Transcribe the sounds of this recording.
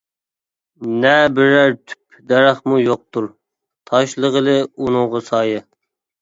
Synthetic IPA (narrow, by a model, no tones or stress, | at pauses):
nɛbɪɾæɾt̪ʰy̥p̚ʰ | d̪ɛɾæχmujoq̚t̪uɾ | t̪ʰɑʃlˠəʁəlˠɨunɨŋʁɑsɑːjɨ